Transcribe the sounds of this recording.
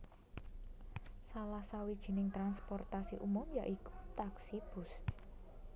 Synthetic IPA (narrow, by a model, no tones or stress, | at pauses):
salahsawid̥ʒ̥i̤nɪŋt̪ɾanspɔrt̪asiʔumʊmjaʔiku̥t̪aksib̥ʊ̤st